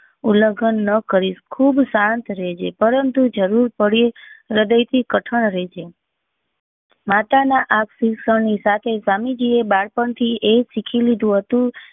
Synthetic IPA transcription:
uləɡʱənːəkəɾiʃkʰubsant̪ɾed͡ʒʰepəɾənt̪ud͡ʒəɾuɾpəɽieɾəd̪əjt̪ʰikəʈʰəɳɾet͡ʃʰe | mat̪anaʔaksisəɳnisat̪ʰesamid͡ʒiebaɽpəɳt̪ʰiʔesikʰilid̪ũɦət̪ũ

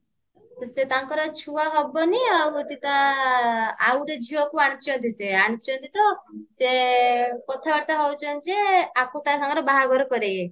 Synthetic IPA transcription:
t̪ɔset̪aŋkɔɾɔt͡ʃʰuaɦɔbɔniawt̪it̪a | a̰wʈed͡ʒʱiɔkuaɽ̃it͡ʃɔnt̪iseaɽ̃it͡ʃɔnt̪it̪ɔse | kɔt̪ʰabaɾt̪aɦɔwt͡ʃʰɔnd͡ʒeakut̪asɔŋɡɔɾɔbaɦaɡʱɔɾɔkɔɾeɡe

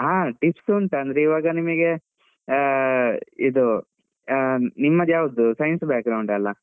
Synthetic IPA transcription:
ɦaːʈipsuɳʈɐnd̪ɾeiʋaːɡɐnimɐɡe | id̪u | nimːɐd̪jaːʋud̪usɐjnsbaːk̚ɡɾɐwɳɖɐlːɐ

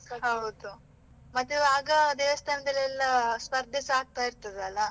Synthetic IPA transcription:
ɦɐwd̪u | mɐt̪ːuaːɡɐd̪eːʋɐst̪ʰaːnɐd̪ɐlːiɛlːɐspɐɾd̪ʱisaːɡ̚t̪aːjiɾt̪ɐd̪eɐlːɐ

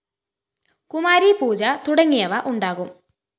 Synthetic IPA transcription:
kumaːɾipuːd͡ʑɐt̪uɽɐŋːijɐʋɐʔuɳɖaːɣum

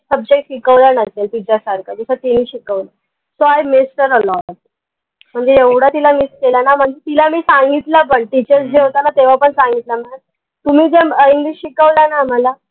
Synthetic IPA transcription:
səb̚d͡ʑekɕikəʋlənəselt̪it͡ɕasaɾkad͡zəsət̪imiːɕikəʋla | soajmesʈəɾəlɔɾat̪ | m̤əɳd͡zeeʋɽat̪ilamiːskelanam̤əɳd͡zet̪ilamiːsaŋɡit̪lapəɳɖ̚t̪it͡ɕet͡sd͡ʑeɦot̪anat̪eʋ̤apəɳsãŋɡit̪lam̤əɳa | t̪um̤iːd͡zeəiŋɡliːɕɕikəʋlanam̤ala

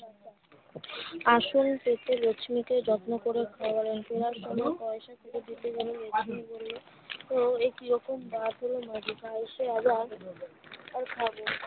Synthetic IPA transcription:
aʃonket̪elot͡ɕʰmiked͡ʑɔt̪nokoɾekʰawaɾenpeɾaɾʃɔmɔekɔeʃakʰuʈed̪it̪ed͡ʑoniled͡ʑʰineboli | t̪oekiɾɔkombad̪ʱɦolomad̪ikaeʃeabaɾ | aɾkʰaboɾ

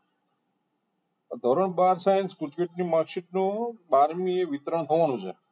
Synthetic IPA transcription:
ad̪ʱoɾəɳbaɾsajenskuʈʋiʈ̚nimakʂiʈ̚nũbaɾmieʋit̪ɾəɳ̃t̪ʰəʋanũt͡ʃʰḛ

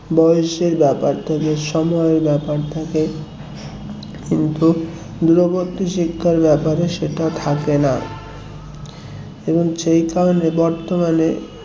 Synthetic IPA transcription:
bɔjoʃeɾbɛpaɾt̪ʰekeʃɔmɔeɾbɛpaɾt̪ʰake | kint̪u | d̪uɾobot̪ːiʃikʰːaɾbɛpaɾeʃeʈat̪ʰakena | eboŋʃejkaonebɔɾt̪omane

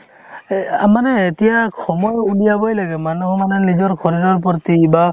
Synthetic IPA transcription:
amanɛːtijakʰɔmɔjulijabɔjlaɡɛmanuhɔmanɛnid͡ʒɔɹkʰɔɾidɔɹp̬ɔɾt̪iba

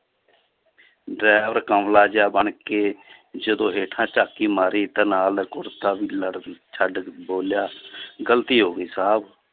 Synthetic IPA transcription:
ɖɾɛːʋəɾkəmlaːd͡ʒjaːbəɳkeːd͡ʒəd̪õːɦeːʈʰãːt͡ʃaːkiːmaːɾiːt̪ãːnaːlkʊɾt̪aːʋiːləɽt͡ʃʰəɖboːljaːɡəlt̪iːɦoːɡiːsaːb

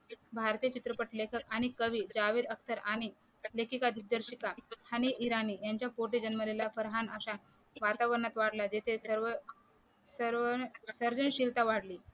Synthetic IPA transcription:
bʱaɾt̪iːjət͡ɕit̪ɾəpəʈlekʰəkaɽ̃ikəʋiːd͡ʑaʋiːɾək̚t̪əɾaɽ̃i | lekʰikad̪ʱik̚d̪əɾɕikahəñiʔiɾaniːjaɲt͡ɕjapoʈid͡ʑənməlelafəɾɦanəɕa | ʋat̪aʋəɾəɳat̪ʋaɽlad͡ʑet̪ʰesəɾʋ | səɾʋəsəɾd͡zəɳɕilt̪aʋaɽliː

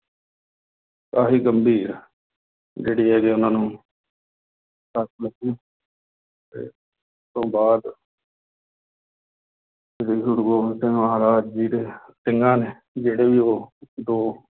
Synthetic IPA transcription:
kaːfiːɡəmbiːɾ | d͡ʒeːɽiːɦɛːkeːʊnãːnũː | səɾkləkːiː | t̪ḛː | st̪õːbaːd̪ | eɽiːsʊɽɡoːsẽːmaɦːɾaːd͡ʒd͡ʒiːɾeːsɪŋɡãːneː | d͡ʒeːɽeːʋiːoːd̪oː

